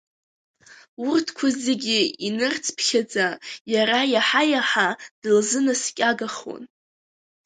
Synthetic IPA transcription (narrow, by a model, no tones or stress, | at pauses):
urtʰkʷʰʊzeɡʲiinɨrt͡sʰpʰχʲad͡zajaɾajaħajaħad̥ɨlzɨnaskʲʼaɡaχo̰n